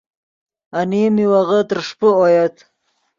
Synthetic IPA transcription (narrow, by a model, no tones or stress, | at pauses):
animiwaɣət̪əɾʂpəojat̪